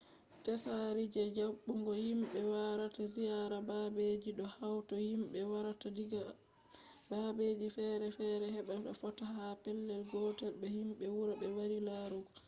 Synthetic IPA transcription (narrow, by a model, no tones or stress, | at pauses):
tɛsaɾid͡ʒɛd͡ʒaɓːuŋɡɔhimɓɛwaɾatazijaɾababed͡ʒiɗɔhawtɔhimɓɛwaɾatadiɡ | babed͡ʒifɛːɾɛfɛɾɛɦɛɓɛɓɛ̰fɔtahapɛlːɛlɡɔːtɛlɓɛhimɓɛwuɾaɓɛwaɾilaɾuɡɔ